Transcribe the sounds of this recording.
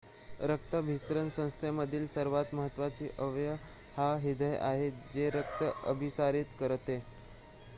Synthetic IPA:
ɾək̚t̪əbʱisɾənsə̃w̃st̪ʰeməd̪ʱiːlsəɾʋat̪məɦət̪ːʋat͡ɕiːʔəʋjə | haɦid̪ʱəjʔa̰ɦed͡zeɾək̚t̪əʔə̰bʱisaɾit̪kəɾt̪e

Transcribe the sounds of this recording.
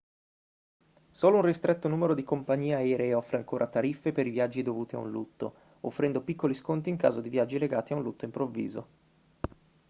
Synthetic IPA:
soːlounrist̪ɾɛt̪ːonuːmeɾod̪ikompaɲːiːeɛːɾeeɔfːɾeaŋkoːɾʔat̪aɾifːepeɾivjad͡ʒːid̪ovuːt̪ia̰ṵnlut̪ːo̰ | ofːɾɛnd̪opikːoliskont̪iŋkaːzod̪ivjad͡ʒːileɡaːt̪iaunlut̪ːoimpɾovːḭːzo

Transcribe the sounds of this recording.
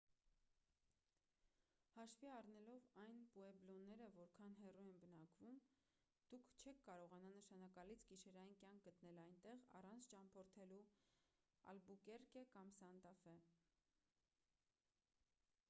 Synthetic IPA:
hɑʃviɑrnɛlɔvɑjnpuɛblɔnːɛɾəvɔɾkʰɑnɦɛrujɛnbənɑkvum | d̪̥ukʰt͡ʃʰɛkʰːɑɾɔʁɑnɑnəʃɑnɑkɑlit͡sʰɡiʃɛɾɑjinkjɑŋk̚ʰɡət̪nɛlɑjnt̪ɛʁɑ̰rɑnt͡sʰt͡ʃɑmpʰɔɾt̪ʰɛlu | ɑ̰lbukɛɾkɛkɑmsɑnt̪ɑfɛ

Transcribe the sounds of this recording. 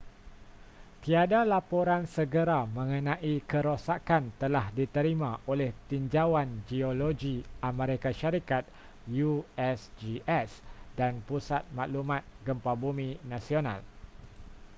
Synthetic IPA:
t̪iadalapoɾansəɡəɾamə̃ŋə̃nãʔikəɾosakant̪əlahdit̪əɾimãʔolɛht̪iɲd͡ʒawand͡ʒioloɡiʔaməɾekaʃaɾikat̪̚ | juɛsd͡ʒiɛsdanpusat̪̚mãʔlumãt̪̚ɡəmpabumĩnãsionã̰l

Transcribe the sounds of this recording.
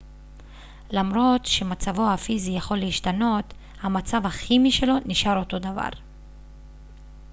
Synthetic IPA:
lamʁo̞t̪ʃe̞mat͡savo̞hafizijaχo̞lːeiʃtano̞t | hamat͡savhaχimiʃe̞lo̞niʃaʁo̞to̞dava̰ʁ

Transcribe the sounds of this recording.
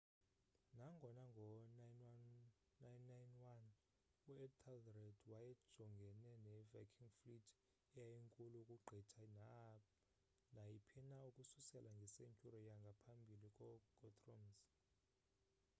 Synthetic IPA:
naŋɡʱɔnaŋɡʱɔnajnwanː | ajnːajnwan | uɛtʰalrɛdwajɛ̥ʒ̥ʱɔŋɡʱɛnɛnɛvakʰiŋflitʰ | ɛjajiŋkʼulukʼuɡ͡ǃʱitʰana | najipʰinaukʼususɛlaŋɡʱiseɲt͡ʃʼuɾɔjaŋɡʱapʰambʱilikʼɔɡ̥ʱɔtʰʼrɔmz

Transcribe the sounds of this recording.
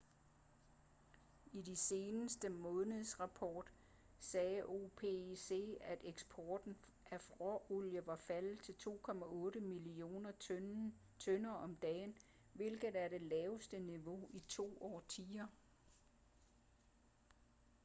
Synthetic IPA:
idise̝ːnəsd̥əmɔ̽ːnəðˠsʁɑ̈pʰɒːd̥ | sɛːʔo̝pʰese̝̰ːæd̥eɡ̥sb̥ʰɒːd̥n̩ | ʔæfʁɒʔoljəʋɑ̈fælð̩ˠt͡sʰe̝lt͡sʰo̝̰ːkʰɒ̽mæʔɔ̽ːɾəmilio̝̰ːnɐ | t͡sʰœnɐɒ̽md̥ɛ̰ːn | ʋe̝lɡ̥ð̩ˠæɐɾ̥e̝lɛːʊsd̥əniʋo̝it͡sʰo̝̰ːɒ̰ːt͡sʰiːɐ

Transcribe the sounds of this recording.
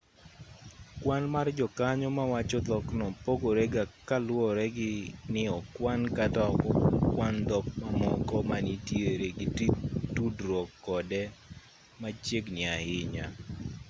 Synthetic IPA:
kwanmard͡ʒɔkaɲɔmawat͡ʃɔt̪ɔknɔpoɡoɾɛɡakalwɔɾɛɡɪnɪɔkwankatakɔkwand̪ɔkmamɔkɔmanitjeɾeɡɪttudɾwɔkːɔdɛ | mat͡ʃeɡnɪahɪɲa

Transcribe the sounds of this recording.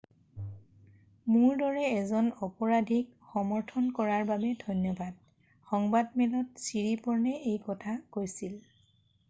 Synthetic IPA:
mʊɹdɔɹɛːzɔnɔpɔɹadʱik̚xɔmɔɹtʰɔnkɔɹaɹbabɛdʱɔjnjɔbʱad̚ | xɔŋbadmɛnɔt̚siɹipɔɹnɛʔejkɔtʰakojsil

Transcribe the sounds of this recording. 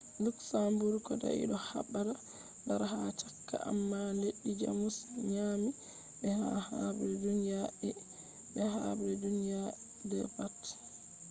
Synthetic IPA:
luksambuɾkɔda̰ʔḭɗɔha̰ɓːada | baɾɦat͡ʃakːa̰ʔa̰mːaleɗːid͡ʒa̰musɲami | ɓɛhahabɾɛdunjaʔɛ | ɓɛɦabɾɛdunja | dɛ̰pat

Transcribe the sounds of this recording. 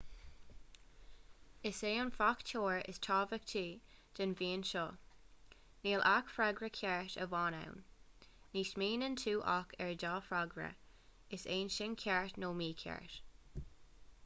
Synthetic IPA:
ɪseːʊnfaktʰoːɹɪ̰stʰɑːvək̚tʰiːd̪̥ənviːənʃɔː | niːlʔakfɾaɡɾəkʰɛɹtə̰vɑːna̰wnː | iːsmiːnəntʰuːʔa̰kʰɛɹdɑːfɾaɡɾə̰ | ɪseːnʃɪnkʰɛɹtnoːmiːkʰɛ̰ɹt

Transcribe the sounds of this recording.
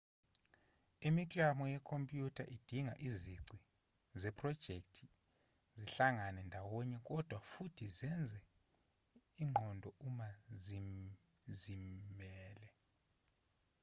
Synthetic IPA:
imikʼamɔjɛkʰompʼjutʰaʔid̥ʱiŋaʔiziǀi | zɛpʰʼrɔd̥ʒ̥ʱek̚ʼtʰi | ziɬaŋanɛndʱawɔɲɛkʼɔd̥ʱwafutʰizɛnd͡zʱɛ | iŋ͡ǃʱɔndʱɔumazi | zimɛːlɛ

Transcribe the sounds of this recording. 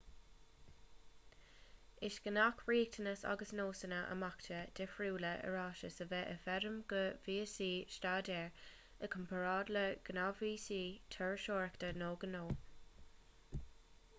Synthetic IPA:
ɪʃɡ̥ənakʰwɹiːk̚tʰənəsa̰ɡəsnoːsənəʔə̰maktʰəd̪̥ɪfɹuːləʔə̰ɹɑːʃəsəvɛʔəfɛɾəmɡ̥əviːsiːʃtaːdɛːɹ | əkʰəmpʰəɹɑːd̪ləɡ̥ənaviːsiːt̪ʰəɹʃoːɹəktənoːɡənoː

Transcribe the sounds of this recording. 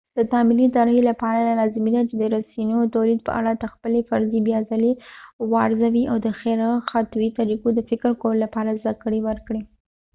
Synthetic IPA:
d̪̥ət̪ɑmɪlid̪ɑɾelapɑɾalalɑzɪmed̪at͡ʃed̪əɾasinot̪awlid̪̚pə̰ʔa̰ɽat̪axpəlefaɾzibjɑzalewɑɾzawiawd̪əxeɾaxat̪wit̪aɾikod̪əfɪkɾkoɾlapɑɾazd̪akəɽiwəɾkɽi

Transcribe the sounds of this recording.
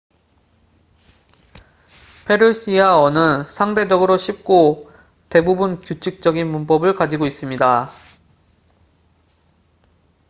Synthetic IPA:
pʰe̞ɾus͈ʰiawʌnɯnsʰaŋde̞d͡ʑʌɡɯɾoɕʰip̚k͈o | te̞bubunkjut͡ɕʰik̚t͡ɕ͈ʌɡinmunpʌbɯɭkad͡ʑiɡois͈ɯmɲida

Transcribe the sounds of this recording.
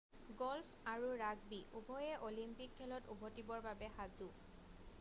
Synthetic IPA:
ɡɔlfʰaɹuɹaɡbiʔubʱɔjɛʔolimpikʰːɛlɔtubʱɔtibɔɹbabɛxazu

